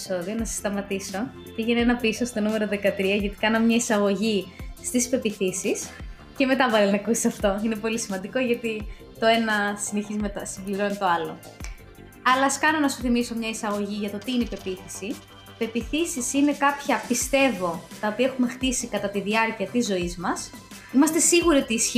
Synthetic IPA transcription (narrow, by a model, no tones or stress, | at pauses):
so̞ðio̞nɐse̥st̪ɐmɐt̪iso̞ | teʝinenɐpiso̞st̪o̞nume̞ɾo̞ðe̞kɐt̪ɾiɐʝɐt̪i̥kɐnɐmɲɐisɐɣo̞ʝist̪ispe̞piθisis | ce̞me̞t̪ɐvɐɾenɐkussɐft̪o̞ine̞po̞lisimɐnd̪iko̞ʝɐt̪i | t̪o̞e̞nɐsineçizmet̪ɐsimbliɾo̞nit̪o̞ɐlo̞ | ɐlɐːskɐno̞nɐsu̥θimiso̞mɲɐisɐɣo̞ʝiʝɐt̪o̞t̪iineipe̞piθisi | pe̞piθisisine̞kɐpçɐpist̪e̞vo̞t̪ɐopiɐexume̞xt̪isikɐt̪ɐt̪iðiɐɾciɐt̪izo̞izmɐs | imɐst̪e̞siɣuɾio̞t̪iːsç